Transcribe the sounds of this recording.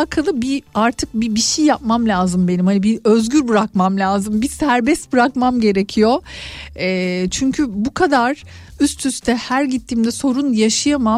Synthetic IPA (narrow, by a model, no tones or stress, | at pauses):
akʰalˠɯbiaɾt̪ʰɯk̚bibiʃijːap̚mamlʲaːzɯmbe̞nimhanibiø̞zɟyɾbɯɾakmamlʲaːzɯmbisæɾbɛst̪̚bɯɾakmamɟe̞ɾecʰijo̞ | ɛːt͡ʃʰyɲcʰybukʰad̪aɾ̥ | yst̪ʰyst̪ʰɛhæɾɟit̪ʰːiːmd̪ɛso̞ɾunjaʃɯjama